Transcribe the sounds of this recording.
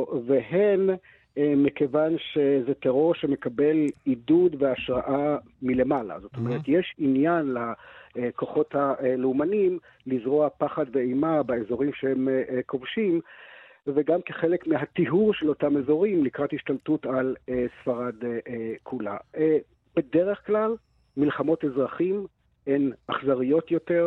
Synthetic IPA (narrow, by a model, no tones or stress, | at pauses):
veɦen | emikevanʃezeteʁo̞ʁʃeme̞kabe̞lidudveaʃʁaʔa | mile̞mala̰zo̞t̪o̞meʁet̪jeʃinjanlako̞χo̞thaleumanim | lizʁoapaχad̪veejmabaezo̞ʁimʃehemko̞vʃim | veɡamkeχelekmiɦat̪iɦuʁʃelo̞tame̞zo̞ʁimlikʁathiʃtaltutalesfaʁad̪kʰula̰ | b̥e̞deʁeχklal | milχamo̞tezʁaχim | enaχzaʁijo̞t̪jo̞teʁ